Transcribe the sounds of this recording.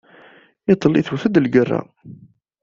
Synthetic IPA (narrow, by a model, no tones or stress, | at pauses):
it̪ˤːlːiθuθəd̪əlɡərːa̰